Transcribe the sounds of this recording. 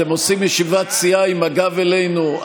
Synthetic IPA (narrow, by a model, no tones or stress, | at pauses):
emosimjɛʃivat͡siaimaɡavelejnu